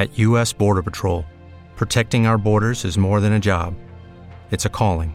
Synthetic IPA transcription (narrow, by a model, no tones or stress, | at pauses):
ɨʔjʉɛsb̥ɔɹɾə˞pətʰɹ̥oʊlˠ | pʰɹ̥ɨtʰɛk̚tɪ̃ŋaʊə˞bɔɹɾə˞zɨzmɔɹðɨ̃ñɨd͡ʒɑb | ɨtsɨkʰɔlˠɪ̃ŋ